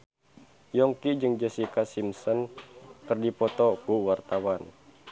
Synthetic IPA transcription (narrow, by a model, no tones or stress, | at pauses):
jɔŋkid͡ʒɨŋd͡ʒəsikasimsɔnkɨrdipɔt̪ɔkuwart̪awan